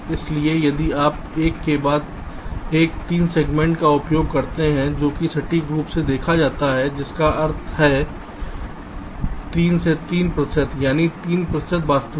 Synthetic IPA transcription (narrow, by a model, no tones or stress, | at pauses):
ɪsliejɐd̪iaːp̚ | eːkːebaːd̪̚ | eːk̚t̪iːnseːɡmɛ̃ɳʈkaʊpjoːɡkɐɾt̪eɦɛ̃d͡ʒoːkisɐʈiɡɾuːpsed̪eːkʰad͡ʒaːt̪aɦɛd͡ʒɪskaʔɐɾt̪ʰɦɛ | t̪iːnset̪iːnpɾəʃət̪jaːnit̪iːnpɾəsət̪ʋaːst̪